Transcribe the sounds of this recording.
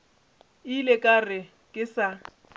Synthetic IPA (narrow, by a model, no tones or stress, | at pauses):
ilekʼarɪ | kʼɪsa